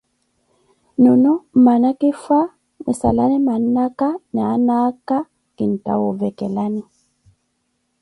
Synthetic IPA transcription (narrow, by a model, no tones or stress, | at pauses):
nunum̩manakifa | misa̰lanimannakanaːnaka | kin̩ta̰wovɛkɛlani